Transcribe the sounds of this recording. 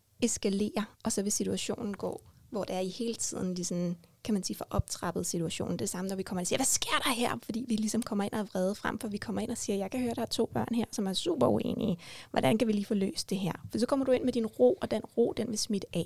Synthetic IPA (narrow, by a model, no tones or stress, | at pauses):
e̝sɡ̥æle̝̰ːɐʔɒ̽sɒ̽ʋe̝sit͡sʰuæɕo̝̰ːnn̩ɡ̥ɔ̰̽ːʋɒd̥eæɐihe̝ːlət͡sʰið̞̰ˠn̩lisɒn̩kʰæmænsiːfɒ̽ʔɒ̽b̥̚t͡sʰʁɑ̈b̥ð̩ˠsit͡sʰuæɕo̝̰ːnde̝̥sɑ̈mənɒʋikʰɒ̽m̰ɐensiːɐʋæsɡ̥e̝ɐ̰ɾ̥ɑ̈ɦeɐ̰fɒd̥ḭːʋilisɒ̽mkʰɒ̽m̰ɐe̝nʔɒæʋʁɛːð̞ˠfʁamfɒ̽ʋikʰɒ̽m̰ɐen̰ɒ̽siːɐjɑ̈ɪkʰæhøːɐdɾ̥ɑhɐt͡sʰo̝̰ːb̥ɶɐ̰nɦæɐ̰sɒ̽mæɐsṵb̥ɐue̝̰ːniəʋʔɒdɾænkʰæʋiliːfɔ̽ːlø̰ːsd̥e̝ɦæɐ̰fɒ̥̽isɒ̽kʰɒ̽m̰ɐdɾue̝n̰med̥inʁo̝̰ːɒ̽d̥enʁo̝̰ːd̥enʋe̝smid̥əʔɛ̰